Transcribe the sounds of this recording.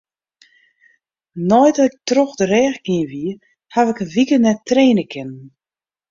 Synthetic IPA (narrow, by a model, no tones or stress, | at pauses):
nɔjdɔɪk̚trɔxdərɛːxɡ̥iəʋiə | haʋɪkəʋikənɛtreːnəkʰɪnən̩